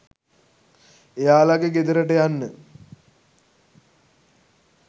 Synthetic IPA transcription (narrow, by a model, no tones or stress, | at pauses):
ejaːlaɡeɡed̪əɾəʈəjanːə